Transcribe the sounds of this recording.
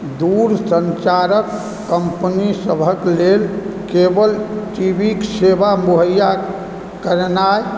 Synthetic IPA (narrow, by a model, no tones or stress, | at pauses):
d̪uɾsənt͡ʃaɾəkː | əmpnisəbʱəklelkebəlt͡ʃibiksebamuɦəja | kəɾnae